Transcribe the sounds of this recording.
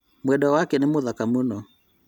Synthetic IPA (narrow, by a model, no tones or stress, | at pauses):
mwɛdɔwakɛnemoðakamunɔ